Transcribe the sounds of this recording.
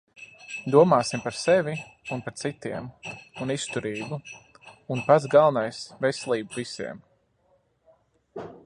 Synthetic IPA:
d̪uɔmaːsimpaɾsɛvi | unpaɾt̪sit̪iɛmunist̪uɾiːbuː | npat̪zɡalˠnajsvɛsɛlˠiːbuvisḭɛm

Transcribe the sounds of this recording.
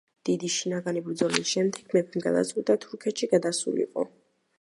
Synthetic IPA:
d̪̥id̪iʃinaɡanibɾd̪zɔlisʃɛmd̪ɛɡ̥mɛpʰɛmɡa̰d̪a̰t̪sʼqʼid̪at̪ʰuɾkʰɛt̪ʃiɡad̪asṵlḭqʼɔ̰

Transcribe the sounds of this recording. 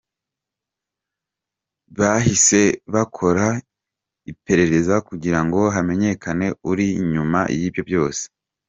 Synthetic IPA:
βahise̞βakʰo̞ɾa | ipe̞ɾe̞ɾe̞zakuɟiɾaŋɡo̞ɦame̞ɲe̞kane̞uɾiɲuma̰jiːbjo̞bjo̞ːse̥

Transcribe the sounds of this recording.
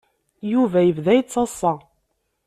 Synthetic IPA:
juvæjəvðæjt͡sːɑsˤːɑ

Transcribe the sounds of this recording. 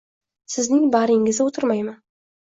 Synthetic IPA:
sɪznɪŋbaɾeŋɡʲɪzɪwot̪ʰəɾmɑjma

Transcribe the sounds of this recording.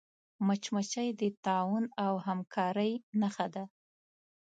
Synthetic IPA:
mat͡ʃmat͡ʃajd̪ət̪ɑwunawɦamkʰɑɾəjnaxad̪a

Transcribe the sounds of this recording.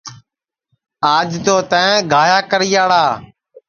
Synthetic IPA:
aːd͡ʒt̪oːt̪ãːẽɡʱaːjaːkəɾijaːɽaː

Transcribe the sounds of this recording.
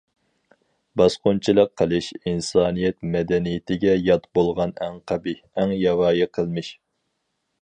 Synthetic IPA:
bɑsqʊnt͡ʃʰilˠəqʰːəlˠɨʃinsɑːnijɛt̪̚mɛd̪ɛnijɪt̪ʰɪɡʲɛjɑt̪bolˠʁɑnɛŋqʰɑbi | ɛŋjɑwɑːjiqʰəlˠmɨʃ

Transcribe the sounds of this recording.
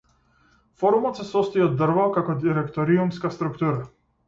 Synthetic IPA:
fɔɾumɔt̪sɛsɔst̪ɔjɔd̪ːr̩valkakɔd̪iɾɛkt̪ɔɾiumskast̪ɾukt̪uɾa

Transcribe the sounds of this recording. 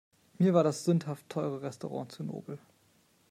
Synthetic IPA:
miːɐvaːɐɾasz̥ʏnthaftʰːɔʏʁəʁɛstoʁɑ̰̃ːt͡suno̰ːbl̩

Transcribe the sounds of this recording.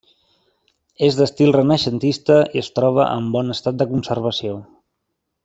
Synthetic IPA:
ezðəst̪ilˠrənəʃənt̪ist̪əiəst̪ɾɔβ̞ə̰ʔə̰mbɔnəst̪at̪̚d̪əkunsərβ̞əsio

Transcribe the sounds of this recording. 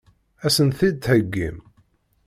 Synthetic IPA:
æsənθid̪həɡːḭm

